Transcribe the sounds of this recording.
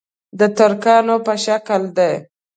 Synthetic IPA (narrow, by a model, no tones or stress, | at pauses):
d̪ət̪ʊɾkɑnopəʃakəld̪ej